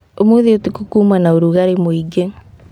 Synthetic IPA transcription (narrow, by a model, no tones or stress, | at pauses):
omuðeotikukuːmanaoɾuɣaɾemoiɡe